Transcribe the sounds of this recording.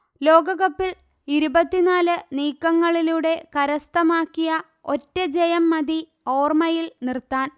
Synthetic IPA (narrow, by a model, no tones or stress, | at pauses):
lo̞ːɡɐɣɐpːil | iɾubɐt̪ːinaːlɨniːkːɐŋːɐɭiluɽe̞kɐɾɐst̪ɐmaːkːijɐ | o̞tːɐd͡ʑejɐmːɐði | o̞ːrmɐjilnirt̪ːaːn